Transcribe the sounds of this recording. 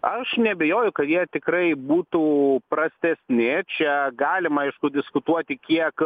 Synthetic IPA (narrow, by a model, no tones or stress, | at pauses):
ɐʃnʲɛbʲɛjoːjʊkɐt̪jiɛt̪ʲɪkɾɐɪbuːt̪uːprɐsʲt̪ʲɛsʲnʲɪt͡ʃʲɛɡɑːlʲɪmɐɐɪʃkʊd̪ʲɪskʊt̪uɔt̪ʲɪkʲiɛk